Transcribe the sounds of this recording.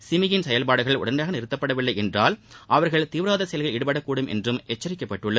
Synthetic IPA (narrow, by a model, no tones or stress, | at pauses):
sɪmɪjɪnsɛjɐlpaːɽɯɣɐɭʊ̰ɽɐndaːɣɐnɪɾɯt̪ːɐpːɐɽɐʋɪɭːɐɪɛndraːlʔɐʋɐɾɣɐɭt̪iːʋɯɾaːðɐsɛjɐlɣɪlɪɽɯpɐɽɐkːuːɽɯmʔɛ̰ndrɯmʔɛt͡ʃːɐɾɪkːɐpːɐʈːɯɭːɐð